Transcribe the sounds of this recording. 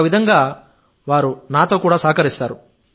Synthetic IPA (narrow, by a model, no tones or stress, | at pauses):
ʋid̪ʱɐŋɡaː | ʋaːɾunaːt̪o̞ːkuːɽaːsaːkɐɾist̪aːɾu